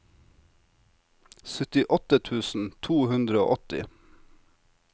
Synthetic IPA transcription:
sœt̪ɪʔɔt̪ət̪ʰʉːsn̩t̪ʰuːhʉnd̪ɾəo̰ːʔɔt̪ɪ̰

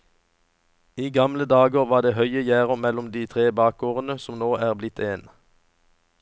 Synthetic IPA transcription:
iːɡɑmləd̪ɑːɡəʁʋɑːʁd̪eːhœʏəjæːʁəmɛlʊmd̪iːt̪ʰʁeːbɑːk̚oːʁənəsɔmnoːʔæːʁblɪt̪ʰeːn

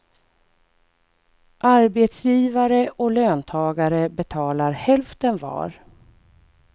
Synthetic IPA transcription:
ʔaɾbet̪sjiːvaɾəʔɔløːnt̪ʰɑːɡaɾəbɛt̪ʰɑːlaɾhɛlft̪ənvɑ̰ːɾ

